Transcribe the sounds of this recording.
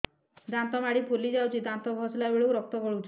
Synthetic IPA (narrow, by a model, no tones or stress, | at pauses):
d̪ant̪ɔmaɽipʰulid͡ʒawt͡ʃʰid̪ant̪ɔɡʱɔslabeɭokɾɔk̚t̪ɔkɔɽuwt͡ʃʰ